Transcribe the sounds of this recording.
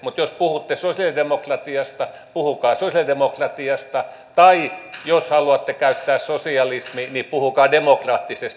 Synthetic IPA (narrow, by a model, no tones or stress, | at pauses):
mut̪jospuhut̪ːesosjɑlidemokrɑt̪iɑst̪ɑ | puhukɑːsosjɑlidemokrɑt̪iɑst̪ɑ | t̪ɑijoshɑluɑt̪ːekæyt̪ːæːssosiɑlisminipuhukɑːdemokrɑːt̪ːisest̪